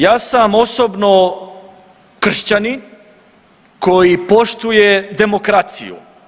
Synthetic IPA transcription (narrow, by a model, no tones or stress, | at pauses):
jaːsamo̞sobno | kr̩ʃt͡ɕanin | ko̞jipo̞ʃt̪ujed̪e̞mo̞kɾat̪sḭjṵ